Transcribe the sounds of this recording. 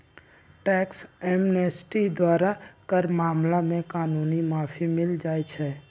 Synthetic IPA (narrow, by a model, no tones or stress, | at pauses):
ʈɛːksɛmnesʈid̪waːɾakəɾmaːmlamẽkaːnuːnimaːfʰimɪld͡ʒaːjt͡ʃʰɛː